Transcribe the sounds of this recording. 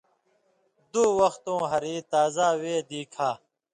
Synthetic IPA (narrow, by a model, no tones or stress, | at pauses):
d̪uːwɐxt̪õːɦɐɾiːt̪aːzaːweːd̪iːkʰaː